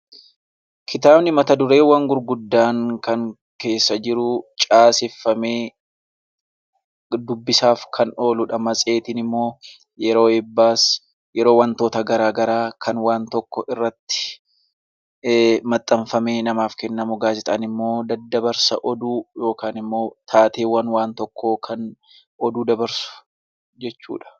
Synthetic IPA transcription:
kʰɪt̪aːbnɪmɐt̪ɐd̪ʊɾe̞ːwɐŋɡʊɾɡʊd̪ːaːŋkɐŋ | ke̞ːsːɐd͡ʒɪɾʊt͡ʃʼaːsɪfːɐmeː | d̪ʊbːɪsaːfkʰɐno̞ːlʊᶑɐmɐsʼe̞ːt̪ɪnɪmːo̞ː | jɛɾo̞ːɛbːaːs | jɛɾo̞ːwɐnt̪o̞ːt̪ɐɡɐɾaːɡɐɾaːkʰɐnwaːnt̪ɔkːɔʔɪrːɐt̪ːɪ̥ | mɐt̪ʼːɐmfɐmeːnɐmaːfkɛnːɐmʊɡaːzɪt̪ʼaːnɪmːo̞ːd̪ɐd̪ːɐbɐɾsɐ̰ʔɔd̪uːjo̞ːkaːnɪmːo̞ːt̪ʰaːt̪eːwɐnwaːnt̪ɔkʰːoːkʰɐn | ʔɔd̪uːd̪ɐbɐɾsʊ̥ | d͡ʒɛt͡ʃːṵːᶑɐ̥

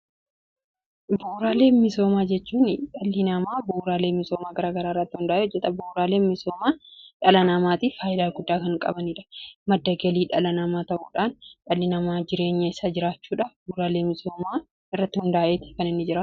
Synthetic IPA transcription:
buːɾaːle̞ːnmɪso̞ːmaːd͡ʒɛt͡ʃːuːnᶑɐlːɪnɐmaːbuːɾaːleːmmɪso̞ːmaːɡɐɾaːɡɐɾaːɪrːɐt̪ːɪhʊnd̪aːʔeːɔd͡ʒːɛt̪ɐbuːɾaːleːnmɪsoːmaːᶑɐlɐnɐmaːt̪ifaːjɪd̪aːlɡʊd̪ːaːkɐŋkʼɐ̰bɐniːᶑɐ̥mɐd̪ːɐɡɐliːᶑɐlɐnɐmaːt̪ɐʔuːᶑaːnᶑɐlːɪnɐmaːd͡ʒɪɾe̞ːɲːɐɪsɐd͡ʒɪɾaːt͡ʃːuːᶑɐbuːɾaːleːmɪso̞ːmaː | ɪrːɐt̪ːɪhʊnd̪aːʔeːt̪ɪ̥kɐnɪnːɪd͡ʒɪɾɐ

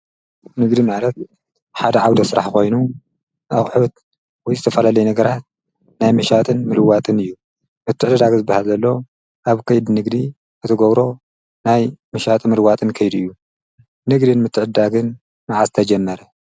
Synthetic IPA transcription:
nɨɡd̪imalɐt̪̚ | ħad̪ɐʕawd̪ɐsɨɾa̰ħko̞jnu | ʔaχʼħut̪̚ | wɔjzɨt̪ʰɐfɐlalɐjnɐɡɐɾat̪̚ | najmɐʃat̪ʼɨnmɨlɨwat̪ʼɨnɨjːu | mɨt̪ʰːɨʕɨd̪d̪aɡzɨbːahalzɐlːo̞ | ʔaβkʰɐjd̪nɨɡd̪i | ʔɨt̪ʰɨɡɐβɾo̞ | najmɐʃat̪ʼmɨlwat̪ʼɨnkʰɐjd̪uɨjːu | nɨɡd̪ɨnmɨt̪ʰːɨʕɨdd̪aɡɨn | naʕazɨt̪ʰɐd͡ʒɛmːɐɾɐ

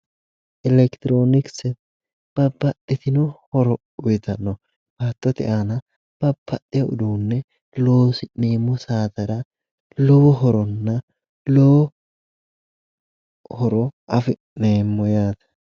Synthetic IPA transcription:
ʔɪlɛkt̪ɪɾoːnɪksɛ | b̥ɐbːɐt̪ːɪt̪ɪnɔhɔɾɔ | ʊjt̪ɐnːɔ | baːt̪ːɔt̪ɪ̰ʔaːnɐ | b̥ɐb̥ːɐt̪ːɪjɛʊ̰d̪uːnːɛ | loːsɪneːmːɔsaːt̪ɐɾɐ | lɔwɔɦɔɾɔnːɐ | lɔwɔ | hɔɾɔʔɐfɪ | neːmːɔjaːt̪ɐ̥

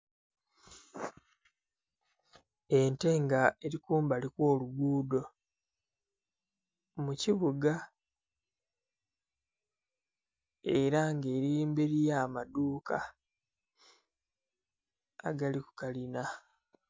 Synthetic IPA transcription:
ente̞ŋɡae̞ɾikuːmbalikwo̞ːluɡuːdo̞ | muciβuɡa | eɾaŋɡeːɾiiːmbeɾijaːmaduːka̰ | a̰ɡaliku̥kalina

